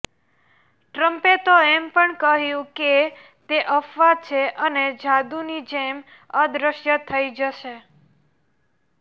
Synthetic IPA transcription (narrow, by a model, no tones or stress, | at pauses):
ʈɾəmpet̪oɛmpəɳkəɦjũke | t̪eʔəfʋat͡ʃʰeʔəned͡ʒad̪unid͡ʒem | əd̪ɾəʃjət̪ʰəid͡ʒəʃe